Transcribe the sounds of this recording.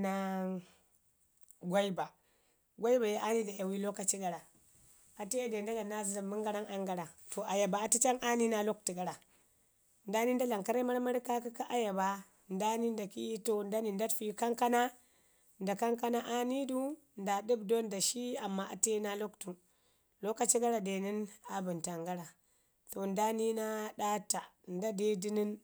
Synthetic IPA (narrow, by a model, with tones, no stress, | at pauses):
na˦ | ɡʷa˦i˦ba˨ | ɡʷa˦i˦ba˨je˦ʔa˦ni˦da˨ja˨wi˦lo˦ka˨t͡ʃi˦ɡa˨ɾa˨ | a˨te˦jde˨nda˦ɡa˨na˦zza˨mi˦ŋɡa˦ɾa˦ŋa˦ŋɡa˨ɾa˨to˨ʔa˨ja˨ba˨a˨ti˦t͡ʃa˦ŋʔa˦ni˦na˦lo˦k̚ti˨ɡa˨ɾa˨ | nda˦ni˦nda˦la˨ŋka˦ɾa˦ma˦ɾma˦ɾka˦ki˦ka˦ʔa˦ja˨ba˨ | nda˦ni˦nda˨kḭ˦i˦to˨nda˦ni˨nda˦tfi˦˨ka˦ŋka˦na˦ | nda˨ka˦ŋka˦na˦ʔa˦ni˦du˦ | nda˨di˦bdo˦nda˨ʃi˦a˨mːa˦ʔa̰˨te˦na˦lo˦ktu˨ | lo˦ka˨t͡ʃi˦ɡa˦ɾa˨de˨ni˦na˨bu˨nta˨ŋɡa˦ɾa˨ | to˨nda˦ni˦na˦ɗa˦ta˨nda˦de˦di˦ni˦n